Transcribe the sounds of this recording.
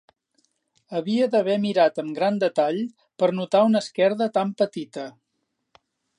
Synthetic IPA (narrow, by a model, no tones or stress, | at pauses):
əβiəðəβɛmiɾat̪əmɡɾand̪ət̪aʎ | pəɾnut̪aunəskɛɾðət̪ampət̪it̪ə